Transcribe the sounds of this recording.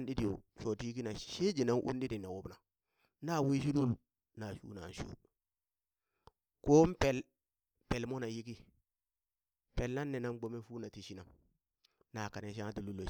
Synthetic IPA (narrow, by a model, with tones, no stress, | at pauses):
nɗi˦di˨o˨ʃo˨ti˦i˦ki˦na˨ʃe˦d͡ʒi˨na˦ŋʔṵ˦n˦ɗi˦di˨ne˨wo˦bna˨ | na˦˨wi˦ʃ̬i˦lu˦l | na˨ʃṵ˦na˨n˨ʃṵ˦ | ko˦m˦pe˨l | pe˨lmo˦na˨ji˦ki˦ | pe˨lna˦nːe˨na˦mɡ͡bo˦me˦fu˦na˨ti˨ʃi˦na˨m | na˨ka˨ne˦ʃ̬a˦ŋa˦ti˨lu˦lːo˨